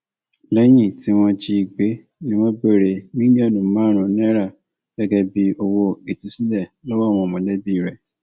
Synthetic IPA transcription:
lɛ˦j̃ĩ˦˨ti˦w̃ɔ̃˧t͡ʃi˧i˨ɡ͡be˨˦ | nĩ˦wɔ̃˦be˦˨ɾe˨mĩ˦di˦ɛ˦˨nũ˨mãː˨˦˨ɾ̃ɔ̃˨nĩ˦ɾa˦˨ | ɡ̥ɛ˦ɡɛ˧bi˧o˧wo˧ɡe˨ti˨˦si˦lɛ˦˨lɔ˦wa˦˨w̃ɔ̃˧˨mɔ̃˨˦dɛ˦bĩ˦˨ɾɛ˨

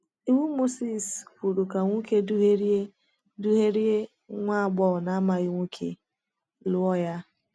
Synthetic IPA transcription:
i˦wu˦mo˦si˦˨skʷu˨ɾu˨ka˨ŋʷu˦ke˦du˦ɦe˦ɾe˦ | du˦ɦe˦ɾi˦e˦ | ŋʷa˦a˨ɡ͡bɔ˦˨na˦a˦ma˨ɣɪ˦ŋʷu˦kʰḛ˨ | lʊ˦ɔ˦ja˦

